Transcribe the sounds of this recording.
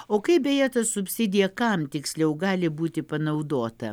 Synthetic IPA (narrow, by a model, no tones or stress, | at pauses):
oːkɐɪbʲɛjɛt̪ɐsʊpʲsʲɪd̪ʲɪjɛkɐmt̪ʲɪksʲlʲɛʊɡɑːlʲɪbuːt̪ʲɪpɐnɐʊd̪oːt̪ɐ